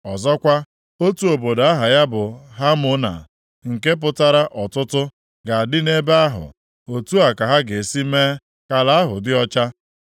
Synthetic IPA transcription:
ɔ˨zɔ˦kʷa˦ | o˦tu˨o˨bo˨da˦ɦa˨ja˦bʊ˨ɦa˦mʊ˦na̰˨ | ŋ̩˨ke˦p̬ʊ˦ta˦ɾa˦ʔɔ˨tʊ˦tʊ˦ | ɡa˨a˨dɪ˦ne˦ba˦ɦʊ̰˨ | o˨tu˦a˨ka˨ɦa˦ɡe˨si˦meː˦ | ka˨la˨a˦ɦʊ˨dɪ˦ɔ˦t͡ʃa˦

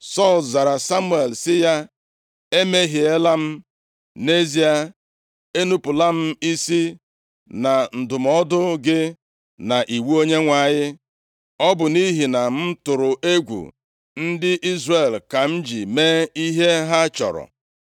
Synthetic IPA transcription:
sɔ˦˨lza˨ɾa˨sa˦mu˦e˨lsɪ˦ja˦ | e˦me˦ɦi˨e˦la˦m̩˦ | ne˦zi˦a˨ | e˦nu˦pʊ˨la˦m̩˦i˦si˦ | na˨n̩˨dʊ˨mɔ˦dʊ˦ɡɪ˦ | na˨ʔi˨wu˦o˦ɲe˦ŋʷa˨ɲɪ˦ | ɔ˦bʊ˨ni˦ɦi˨na˨m̩˦tʊ˨ɾʊ˨ʔe˦ɡʷṵ˨ | n̩˦dɪ˦ʔi˦zre˨lka˨m̩˦d͡ʒi˨meː˦i˦ɦe˦ɦa˦t͡ʃɔ̰˨ɾɔ̰˨

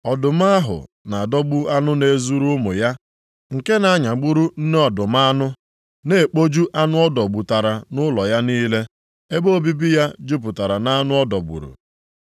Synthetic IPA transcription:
ɔ˨dʊ˨m˦a˦ɦʊ̰˨ | na˨dɔ˦bu˦a˦nʊ˦ne˨zu˦ɾu˦mʊ̰˨ja˦ | ŋ̩˨ke˦na˨˦ɲa˨ɡ͡bu˦ɾu˦n̩˦ne˦ɔ˨dʊ˨m˦a˦nʊ˦ | ne˨k͡po˦d͡ʒu˦ʔa˦nʊ˦ɔ˦dɔ˨ɡ͡bu˨ta˨ɾa˨nʊ˦lɔ˨ja˦niː˦le˦ | e˦bo˦bi˦bi˦ja˦d͡ʒu˦p̬ʊ˨ta˨ɾa˨na˦nʊ˦ɔ˦dɔ˨ɡ͡bṵ˨ɾṵ˨

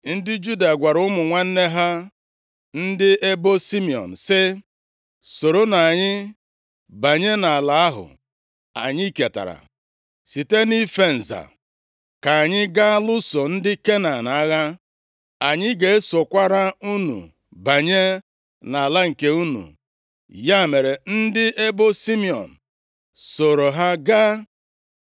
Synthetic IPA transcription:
n̩˦dɪ˦d͡ʒu˦da˨ɡʷa˨ɾʊ˦mʊ˨ŋʷa˦n̩˦ne˦ɦa˦ | n̩˦dɪ˦e˦bo˦si˦mi˨ɔ̰˨n̩˨sɪ˦ | so˨ɾo˦na˨ɲɪ˦ | ba˨ɲe˦na˨a˨la˨˦a˦ɦʊ̰˨ | a̰˨ɲɪ˦i˦ke˨ta̰˨ɾa̰˨ | si˨te˦ni˦fe˦n̩˨za̰˨ | ka˨a˨ɲɪ˦ɡa˦lʊ˦so˨n̩˦dɪ˦ke˦na˨na˦ɣa˦ | a˨ɲɪ˦ɡe˨e˦so˨kʷa˦ɾa˦u˦nṵ˨ | ba˨ɲe˦ | na˨a˨la˦ŋ̩˨ke˦u˦nṵ˨ | ja˦˨me˨ɾe˨n̩˦dɪ˦ʔe˦bo˦si˦mi˨ɔ̰˨n̩˨ | so˨ɾo˨ɦa˦ɡa˦

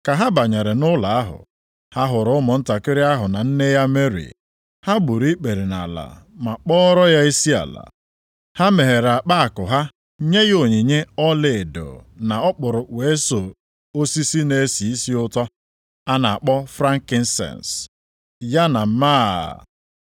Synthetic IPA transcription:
ka˨ɦa˦ba˨ɲe˨ɾe˨nʊ˦la˨a˦ɦʊ̰˨ | ha˦ɦʊ˨ɾʊ˨˦ʊ˦mʊ˨n̩˦ta˨kɪ˦ɾɪ˦a˦ɦʊ˨na˨n̩˦ne˦ja˦me˦ɾḭ˨ | ha˦ɡ͡bu˨ɾi˦k͡pe˨ɾi˨na̰˨la̰˨ | ma˨k͡pɔ˦ɾɔ˦ja˦i˦si˦a̰˨la̰˨ | ha˦me˨ɦe˨ɾa˨k͡pa˦a˨kʊ˨ɦa˦ | ɲe˦ɣo˨ɲi˨ɲe˦ɔ˦le˨do̰˨na˨ɔ˦k͡pʊ˨ɾʊ˨we˨˦so˨ | o˦si˦si˦ne˨e˦si˨i˦si˦ʊ˦tɔ˦ | a˦na˨a˨k͡pɔ˦fɾa˦ŋ˦kɪ˦n̩˦sɛ̰˨ns | ja˦na˨m̩˦ma̰ː˦˨

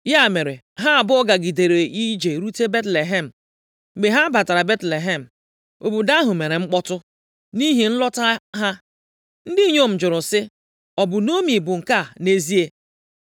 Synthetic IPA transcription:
ja˦˨me˨ɾe˨ | ɦa˦a˨bʊ˦ɔ˦ɡa˨ɡi˨de˨ɾe˨ʔi˦d͡ʒe˨ɾu˦te˦be˦tle˨ɦe˦˨m̩˨ | ɡ͡be˨ɦa˦ba˨ta˨ɾa˨be˦tle˨ɦe˦˨m̩˨ | o˨bu˨da˦ɦʊ˨me˨ɾe˨ŋ͡m̩˦k͡pɔ˦tʊ˦ | ni˦ɦi˨n̩˦lɔ˦ta˦ɦa˦ | n̩˦dɪ˦ɲo˦˨m̩˨d͡ʒʊ˨ɾʊ˨sɪ˦ | ɔ˨bʊ˨no˦mi˨bʊ˨ŋ̩˨ka˦˨ne˦zi˦e˦

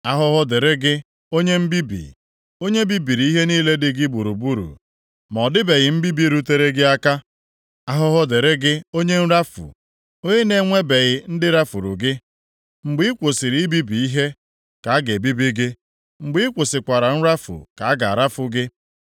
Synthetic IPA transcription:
a˦ɦʊ˦ɦʊ˦de˨ɾe˦ɡɪ˦ | o˦ɲe˦m̩˦bi˦bḭ˨ | o˦ɲe˦bi˦bi˨ɾi˨i˦ɦe˦niː˦le˦dɪ˦ɡɪ˦ɡ͡bu˨ɾu˨bu˦ɾṵ˨ | mɔ˨dɪ˦be˨ɣɪ˨m̩˦bi˦bi˨ɾu˦te˦ɾe˦ɡɪ˦a˦ka˦ | a˦ɦʊ˦ɦʊ˦de˨ɾe˦ɡɪ˦o˦ɲe˦n̩˦ɾa˦fṵ˨ | o˦ɲe˦ne˨˦ŋʷe˦be˨ɣɪ˨n̩˦dɪ˦ɾa˦fu˨ɾṵ˨ɡɪ˦ | ŋ͡m̩˨ɡ͡bi˦i˦kʷo˨sɪ˨ɾi˨˦i˦bi˦bi˨i˦ɦe˦ | ka˨a˦ɡe˨bi˦bi˦ɡɪ˦ | ŋ͡m̩˨ɡ͡bi˦kʷo˨sɪ˨kʷa˨ɾa˨n̩˦ɾa˦fʊ̰˨ka˨a˦ɡa̰˨a̰˨ɾa˦fʊ˦ɡɪ˦

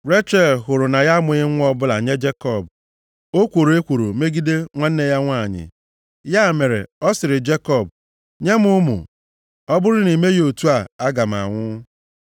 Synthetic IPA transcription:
ɾe˦t͡ʃe˦˨lɦʊ˨ɾʊ˨na˨ja˦mʊ˨ɪ˦ŋʷʊ˦ɔ˦bʊ˦la˨ɲe˦d͡ʒe˦kɔ˦˨b | o˦kʷo˨ɾo˨e˦kʷo˨ɾo˨me˦ɡi˦de˦ŋʷa˦n̩˦ne˦ja˦ŋʷa˦˨ɲɪ̰˨ | ja˦˨me˨ɾḛ˨ɔ˦sɪ˨ɾɪ˨d͡ʒe˦kɔ˦˨b | ɲe˦mʊ˦mʊ̰˨ | ɔ˦bʊ˦ɾʊ˦ni˨me˦jo˨tu˦a˦˨a˦ɡa˨m˨a̰˨ŋʷʊ˦

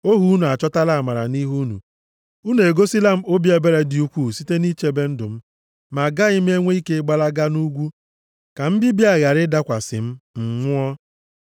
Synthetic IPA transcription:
o˦ɦu˦u˦nu˨a˨t͡ʃɔ˦ta˦la˦˨ma˨ɾa̰˨ni˦ɦu˦nṵ˨ | u˦ne˨e˨ɡo˦si˦la˦m̩˦o˦bi˦e˨be˦ɾe˨dɪ˨u˦kʷu˦˨si˦te˦ni˦t͡ʃe˦be˦n̩˦dʊ˨m̩˦ | ma˨ɡa˦ɪ˦m̩˦e˦ŋʷe˦i˦ke˦ɡ͡ba˦la˦ɡa˦nu˦ɡʷu˦ | ka˨m̩˦bɪ˦bi˦a˨ɣa˨ɾɪ˦da˦kʷa˨sɪ̰˨m̩˦ŋ̩˨ŋʷʊ˦ɔ˦

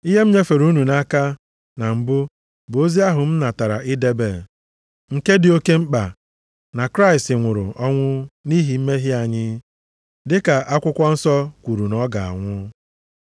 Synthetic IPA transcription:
i˦ɦe˦m̩˦ɲe˦fe˨ɾu˦nu˨na˦ka˦ | na˨m̩˨bʊ˦ | bo˦zi˦a˦ɦʊ˨m̩˦na˨ta˨ɾa̰˨ʔɪ˦de˦be˨ | ŋ̩˦ke˦dɪ˨o˦ke˦ŋ͡m̩˦k͡pa˨ | na˨kɾa˦ɪ˨stɪ˨ŋʷʊ˨ɾʊ̰˨ʔɔ˦ŋʷʊ˦ni˦ɦi˨m̩˦me˦ɦɪ˦a˨ɲɪ˦ | dɪ˦ka˨ʔa˦kʷʊ˦kʷɔ˦n̩˦sɔ˦kʷu˨ɾu˨nɔ˦ɡa˨a̰˨ŋʷʊ˦

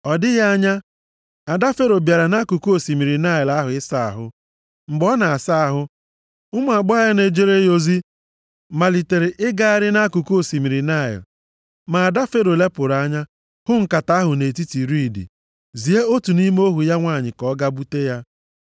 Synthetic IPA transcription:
ɔ˨dɪ˦ja˦a˦ɲa˦ | a˨da˦fe˦ɾo˨bja˨ɾa˨na˦ku˨ku˦o˨si˨mi˨ɾi˨na˦˨ɪ˨la˦ɦʊ˨ɪ˦sa˦˨a̰˨ɦʊ̰˦ | ŋ͡m̩˨ɡ͡bɔ˦na˨a˨sa˦a˨ɦʊ˦ | ʊ˦mʊ˨a˨ɡ͡ba˦a˦ne˨d͡ʒe˦ɾe˦jo˦zi˦ | ma˨li˨te˨ɾe˨ʔɪ˦ɡa˦a˦˨ɾɪ˦na˦ku˨ku˦o˨si˨mi˨ɾi˨na˦˨ɪ̰˨l | ma˨a˨da˦fe˦ɾo˨le˦pʊ˨ɾa˦ɲa˦ | hʊ˦ŋ̩˨ka˨ta˦ɦʊ˨ne˨ti˦ti˨ɾi˦˨dḭ˨ | zi˨e˦o˦tu˨ni˦m˦o˦ɦu˨ja˦ŋʷa˦˨ɲɪ˨kɔ˦ɡa˦bu˦te˦ja˦

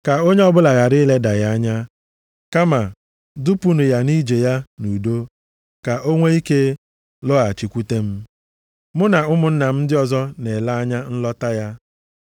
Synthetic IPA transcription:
ka˨o˦ɲe˦ɔ˦bʊ˦la˨ɣa˨ɾɪ˦le˦da˨ja˦a˦ɲa˦ | ka˦ma˨ | du˦pu˦nʊ˨ja˨ni˦d͡ʒe˨ja˦nu˨do˦ | ka˨ʔo˦ŋʷe˦i˦ke˦ | lɔ˦a˨t͡ʃi˨kʷu˦te˦m̩˦ | mʊ˦na˨ʊ˦mʊ˨n̩˦na˨m̩˦dɪ˦ɔ˨zɔ˦ne˨la˦a˦ɲa˦n̩˦lɔ˦ta˦ja˦

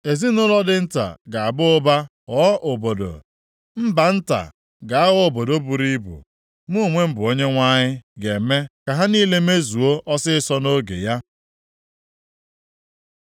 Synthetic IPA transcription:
e˨zi˦nʊ˦lɔ˦dɪ˦˨n̩˦ta̰˨ɡa˨a˨bʊ˦ʊ˦ba˦ | ɔ˨˦ʔo˨bo˨do̰˨ | m̩˦ba˨n̩˦ta̰˨ | ɡa˨a˦ɣɔ˦˨bo˨do˦bu˨ɾi˦bṵ˨ | mu˦˨ŋʷe˦m̩˦bʊ˨o˦ɲe˦ŋʷa˦ɲɪ˦ɡe˨me˦ka˨ɦa˦ni˦le˦me˦zu˨o˦ʔɔ˦sɪ˦sɔ˦no˦ɡḛ˨ja˦

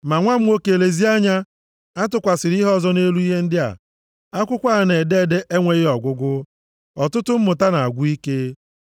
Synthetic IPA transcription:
ma˨ŋʷa˦m̩˦o˦ke˨le˨zi˦a˦ɲa˦ | a˦tʊ˨kʷa˨sɪ˨ɾi˦ɦɔ˦˨zɔ˦ne˦lu˦i˦ɦe˦n̩˦dɪ˦a̰˨ | a˦kʷʊ˦kʷa˦˨ne˨de˦˨de˦ʔe˦ŋʷe˨ɣɪ˦ɔ˨ɡʷʊ˦ɡʷʊ˦ | ɔ˨tʊ˦tʊ˦m̩˦mʊ˨ta˦na˨a˨ɡʷu˦i˦ke˦

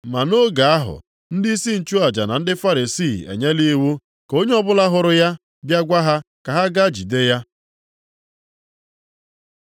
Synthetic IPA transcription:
ma˨no˦ɡa˨a˦ɦʊ̰˨ | n̩˦di˦i˦si˦n̩˨t͡ʃu˦a˨d͡ʒa˨na˨n̩˦dɪ˦fa˦ɾi˨si˦˨ḛ˨ɲe˦li˦wu˦ | ko˦ɲe˦ɔ˦bʊ˦la˦ɦʊ˨ɾʊ˦ja˦ | bja˦ɡʷa˦ɦa˦ka˨ɦa˦ɡa˦d͡ʒi˨de˦ja˦

